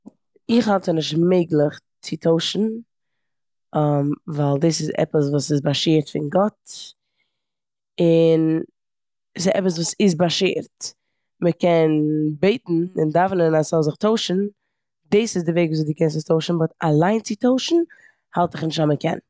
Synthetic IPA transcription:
ɪχhalˠtənɪʃtmeɪɡlˠɪχ | t͡sɪtʰoʊʃn̩ | mvaɪlˠdɪsɪzɛ̰pəsvuːsɪsbaʃiːɾtfɪnɡɔt | ɪn | sɪɛpəs̬vuːsɪs̬baʃḭːɾt | məkɛnbeɪtn̩ɪ̰ndavnənasɔzɪχtoʊʃn̩ | dɪsɪzdɪveɪɡviːzdɪkɛnsɪstoʊʃn̩bɔtalˠaɪnt͡sɪtoʊʃn̩ | halˠtɪχnɪʃtaməkʰɛ̰n

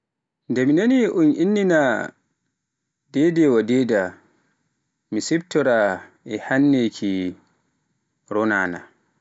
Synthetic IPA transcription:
ndɛminaniʔunʔinːina | dɛdɛwadɛda | misɛb̚tɔɾa | ɛhanːekʰi | ɾɔnaːna̰

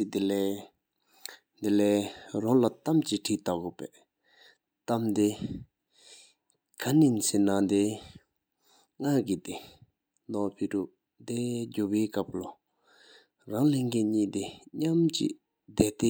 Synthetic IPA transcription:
id̪ilɛː | nd̪elɛːraŋlat̪amt͡ɕiʈ͡ʂʰiːt̪akopɛː | t̪amd̪e | kʰaninsenand̪e | ŋaɡit̪e | nd̪ɔpʰeʈ͡ʂuʔ | d̪ed͡ʑoweːkap̚lo | raŋleŋkenɲiːd̪eɲamt͡ɕḭ | d̪ɛt̪e

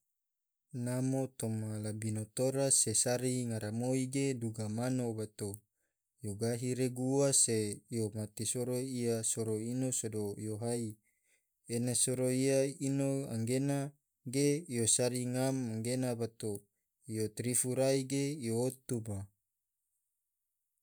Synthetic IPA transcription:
namot̪omalabinot̪oɾasesaɾiŋaɾamoiɡeduɡamanobat̪o | joɡaɦiɾeɡuwasejomat̪isoɾoiasoɾoinosodojoɦai | enasoɾoiainoa̰ŋɡena | ɡeijosaɾiŋamaŋɡenabat̪o | ijot̪ɾifuɾaiɡeijoot̪uba

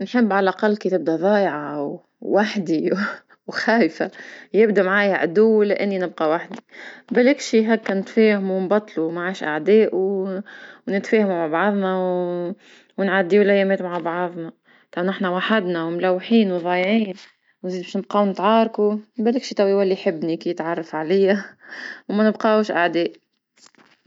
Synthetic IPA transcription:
nħɪbːʕalʔaqɑlːkit̪ɪb̚d̪æðˤɑːjʕɑwː | aħd̪i | wxæːjfajɪbd̪amʕaːjʕa̰d̪uːlɪʔɪnːinɪb̚qɑwaħd̪ibælɪkʃiɦækːænɪt̪feːhmuwnbɑt̪ˤːluwmaʕaːʃʔa̰ʕd̪ɛːʔu | wnɪt̪feːhmumaʕbɑʕðˤnɑw | wnʕad̪ːiːulæjːæmeːt̪maʕabɑʕɑðˤnɑ | t̪ˤɑnɪħnawaħad̪nawmlawːħiːnwðˤɑːjʕiːn | wnzid̪beːʃnɪb̚qɑwnɪt̪ʕɑːɾˤkubælɪkʃit̪ˤæwiwalːiħɪbːnikijɪt̪ʕɑrˤːɑfʕalɪjawmænɪbqɑuʃʔaʕd̪ɛːʔ

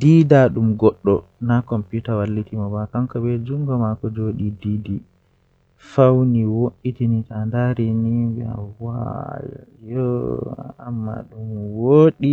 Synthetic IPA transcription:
didaɗumɡɔɗːɔnakɔmputawalːitimɔbakaŋkɔbɛd͡ʒuŋɡɔmakɔd͡ʒoɗididi | fawniwoʔitinitandaɾɛnibɛ̰a̰wa̰j̰jɔ | amːa̰ɗumwoːɗi

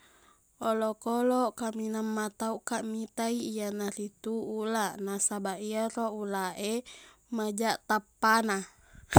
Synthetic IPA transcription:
ʔɔlokɔlɔkaminamːat̪auʔkaʔmit̪aiːanarit̪uulaʔnasabaʔiaɾoulaʔemad͡ʒaʔt̪apːana

